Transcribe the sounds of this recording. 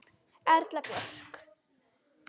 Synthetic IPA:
ɛɾt̪lapjœr̥k

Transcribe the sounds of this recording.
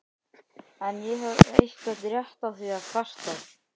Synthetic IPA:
ɛnjɛɦɛvḛjhkvɛt̪ɾjɛht̪aθviaðfʰar̥t̪að

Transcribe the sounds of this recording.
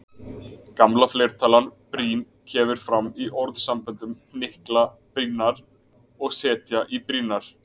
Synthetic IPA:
kamlaflɛːɾ̥t̪ʰaːlanpɾiːn | cʰɛːmʏɾ̥fɾamːiʔɔɾðsampʏnt̪ʏm | nɪhkla | pɾinaɾ̥ | ɔɣsɛːt̪jaʔipɾiːnaɾ̥

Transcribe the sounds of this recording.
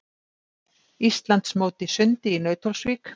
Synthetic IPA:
ist̪lant̪smoːwt̪ɪsʏnt̪ɪinœːɥt̪ʰɔlsviːk

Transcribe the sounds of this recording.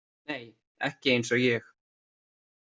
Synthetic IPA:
neːj | ɛ̰hcɪeːjnsɔjɛx

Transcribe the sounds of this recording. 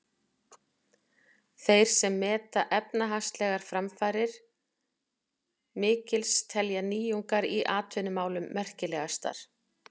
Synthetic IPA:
θejɾ̥sɛmːɛːt̪aʔɛpnaɦast̪lɛɣaɾ̥fɾamfaːɾɪɾ̥ | mɪːcɪlst̪ʰɛljaniːjuŋkaɾiʔaːt̪ʰʏnʏmaːwlʏmːɛr̥cɪlɛːɣast̪a̰ɾ̥

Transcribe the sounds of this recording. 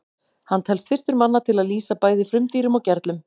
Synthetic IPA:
hant̪ʰɛlst̪fɪr̥st̪ʏɾmanːat̪ʰɪlaðliːsapaːjðɪfɾʏmt̪iːɾʏmɔɣcɛɾt̪lʏm

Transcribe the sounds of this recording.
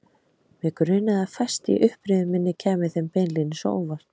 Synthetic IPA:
mɛkɾʏːnaðafajst̪ḭʔʏhpɾɪðʏmɪnːɪcʰɛːmɪθɛmpejnlinɪso̰o̰vaɾ̥

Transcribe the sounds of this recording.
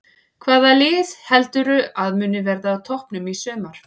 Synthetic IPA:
kʰvaːðalɪːðhɛlt̪ʏɾʏaðmʏːnɪvɛɾðaːwt̪ʰɔhpnʏmisœːmaɾ̥

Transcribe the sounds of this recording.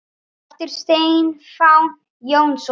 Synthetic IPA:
ɛft̪ɪɾ̥st̪eːjjɪnfaw̪ | joːwns

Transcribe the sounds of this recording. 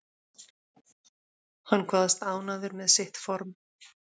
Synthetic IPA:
hanːkʰvaːðast̪aːwnaðʏɾmɛðsɪht̪fɔɾm

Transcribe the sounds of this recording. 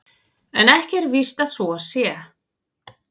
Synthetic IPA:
ɛnɛhcɛɾvist̪aðsvɔasjɛ

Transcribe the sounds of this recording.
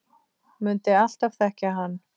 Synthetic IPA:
mʏnt̪ɪal̥t̪av̥θɛhcaɦanː

